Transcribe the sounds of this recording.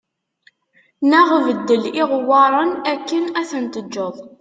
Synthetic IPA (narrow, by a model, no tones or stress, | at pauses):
næʁvəd̪ːəliʁwɑɾˤənækːənæθənt̪əd͡ʒːoðˤ